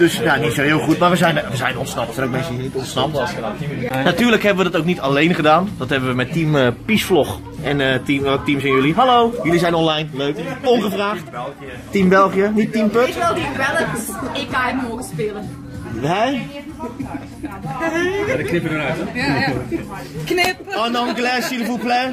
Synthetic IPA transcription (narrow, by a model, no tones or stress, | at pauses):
d̥øsjanitsoɦɪːlˠχutmaʋəzɛjnʋəzɛjnɔnsnɑp̚əsɛnowk̚mɛnsədisnitɔntsnɑpəsnatyːrləkɦɛbəʋədɔtowknitalejnχədaːndɔthɛbəʋəmɛtːiməpisflɔx | ɛnətimɛk̚timsɪnjøliɦalowjølisɛjnɔnlajnløɥkɔnχəfraːxt | timbɛlˠχijənitːimpøtibɛləɪk̚ɡaəmoχəspɪlən | ɛ | jadəknɪpədəɾat | knɪpɔndɔnɡlɛsiləfuplɛ